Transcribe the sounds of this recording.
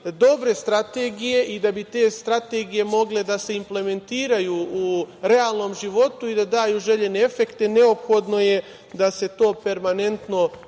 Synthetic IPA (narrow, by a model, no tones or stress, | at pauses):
d̪o̞bɾe̞st̪ɾat̪eɡije̞ʔid̪abit̪e̞ːst̪ɾat̪e̞ːɡije̞mo̞ɡle̞d̪aseimple̞me̞nt̪iːɾajuuɾe̞aːlˠno̞ːmʒiʋo̞t̪uid̪ad̪aːjuʒe̞ʎe̞ne̞efe̞kt̪e̞ne̞opxo̞d̪no̞je̞ | d̪ase̞t̪o̞ːpe̞ɾmane̞nt̪no̞